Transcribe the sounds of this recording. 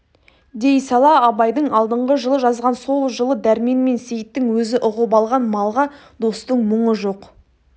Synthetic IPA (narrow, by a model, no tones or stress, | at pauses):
d̪e̞jsɑlˠɑɑbɑjd̪əɴɑlˠd̪əɴʁəʒəlˠəʒɑzʁɑnso̞lˠʒəlˠəd̪æɾme̞nme̞nsejɪt̪ːɪŋwɵzɪʔʊʁəpɑlˠʁɑnmɑlˠʁɑ | d̪o̞st̪əɴmʊɴəʒo̞q